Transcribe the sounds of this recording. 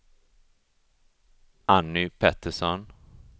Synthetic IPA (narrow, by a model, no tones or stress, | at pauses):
ʔanːʏpʰɛt̪əʂɔn